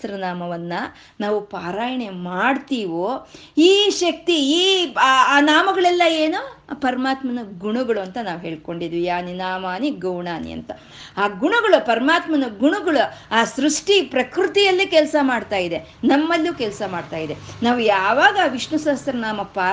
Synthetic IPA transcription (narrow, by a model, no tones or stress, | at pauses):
ɾɐnaːmɐʋɐnːɐ | naːʋupaːɾaːjɐɳemaːɖt̪iːʋoː | iːʃɐk̚t̪iiːaːnaːmɐɡɐɭɛlːɐeːnupɐɾɐmaːt̪mɐnɐɡuɳuɡɐɭuɐnt̪ɐnaːʋuɦe̞ːɭko̞ɳɖid̪ʋiaːninaːmaːniɡɐwɳaːnḭɐ̰nt̪ɐ | aːɡuɳuɡɐɭupɐɾɐmaːt̪mɐnɐɡuɳuɡɐɭuaːsɾuʂʈipɾɐkɾut̪ijɐlːikɛlsɐmaːɖt̪aːjid̪e̞ | nɐmːɐlːukɛlsɐmaːɖt̪aːjid̪e̞naːʋujaːʋaːɡɐːʋiʂnɐsaːst̪ɾɐnaːmɐpaː